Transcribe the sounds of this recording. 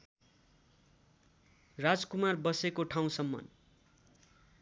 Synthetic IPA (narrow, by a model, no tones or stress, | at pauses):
rad͡zkumarbʌsekoʈʰaw̃sʌmːʌ̰n